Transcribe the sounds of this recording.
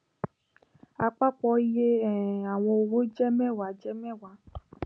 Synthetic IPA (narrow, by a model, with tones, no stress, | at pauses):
a˨k͡pa˦k͡pɔ˦i˦je˦ɛ˨a˨w̃ɔ̃˧o˨wo˦d͡ʒɛ˦mɛ˦˨wa˨d͡ʒɛ˦mɛ˦wa˨˦